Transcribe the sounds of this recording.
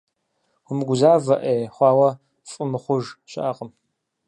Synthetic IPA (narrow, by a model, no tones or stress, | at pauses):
ʊmɨɡʷʊzaːvɐʔeːjχʷɑːwɐ | fʼɨmɨχʷʊʒɕɪ̰ʔaqʼəm